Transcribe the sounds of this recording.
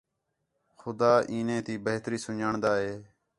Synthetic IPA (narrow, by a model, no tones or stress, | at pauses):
xʊd̪aːʔiːnẽːt̪iːbəɦt̪ɾiːsʊɲaːɳd̪aːɦeː